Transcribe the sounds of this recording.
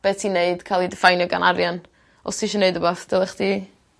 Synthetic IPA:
b̥eːtʰineɨd̥kʰajlˠidɪfajnjɔɡa̰naɾjan | ɔ̰stʰiʃɔneɨdəbaθd̥ɛlˠəχdi

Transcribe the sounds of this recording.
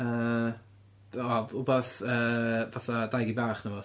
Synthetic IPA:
əː | ɔʊbɛθəːvaθadajɡibaːχnəvɔ

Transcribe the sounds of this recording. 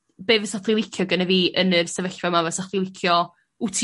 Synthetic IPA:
b̥evəsatʰlˠilˠɪkʰjɔɡənɛviːʔənɨrsɛvəɬvamavɛsatʰlˠilˠɪkʰjɔ | utʰ

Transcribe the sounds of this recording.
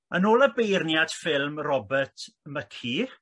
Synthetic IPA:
ənoːlˠəbejrnjad̥fɪlˠmrɔbətʰməkʰi

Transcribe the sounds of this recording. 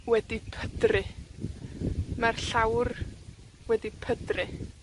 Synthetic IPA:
wɛdipʰədrɪ | marɬawr | wɛdipʰədrɪ

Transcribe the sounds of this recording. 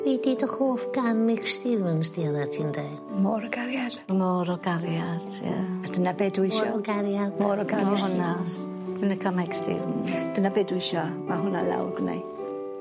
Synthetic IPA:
viːdiːdəhoːfɡanmɪkstɪvənsdiəðatʰiːndeɨd̥moɾɔɡaɾjad̥mɔɾɔɡaɾjad̥ja̰ad̥ənabeːdwɪʃɾɔɡaɾjadmoɾɔɡaɔhʊna | ənəkʰamɛkstɪ̰vnd̥ənabeːdwɪʃɔmaɦʊna̰lˠa̰wɡna̰j

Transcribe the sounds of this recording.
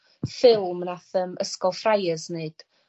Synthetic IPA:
fɪlˠmnaθəmʔəskɔlˠfrajəzneɨd̥

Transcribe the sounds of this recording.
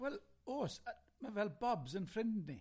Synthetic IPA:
wɛlˠoːs | məvɛlˠbɔbzənfɾɪnddni

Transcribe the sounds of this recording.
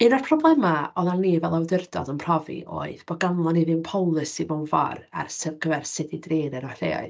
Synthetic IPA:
ɨnɔrpʰrɔblˠɛmaɔðaniːvɛlˠawdɪrdɔ̰dənpʰrɔvḭʔo̰ːɨðb̥ɔɡanlˠɔniðɨnpʰɔwlˠɨsivɔnva̰ra̰rsɛvɡəvɛrsɪdidreːnɛnɔr̥ḛːa̰ɨð

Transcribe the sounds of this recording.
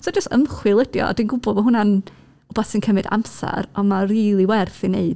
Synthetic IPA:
sod͡ʒəstə̰mχwɪlˠədjɔ̰ɔ̰dinɡʊbɔlˠɔɦʊnan | ɔbasinkʰəmɨda̰msa̰ɾɔmariːlˠiwɛrθɪneɨd̥

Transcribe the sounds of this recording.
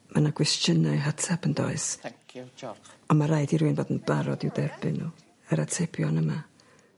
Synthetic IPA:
manaɡ̥wɛst͡ʃənaɨɦatʰabəndɔ̰ɨs | ɔnmaɾaɨdiɾuɨnboːdənb̥aɾɔdɪwdɛrbɨnːu | əɾatʰepʰjɔnəma

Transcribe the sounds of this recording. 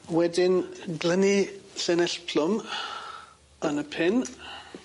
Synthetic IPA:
wɛdɪnɡləniɬɛnɛɬpʰlʊm | ənəpʰɪn

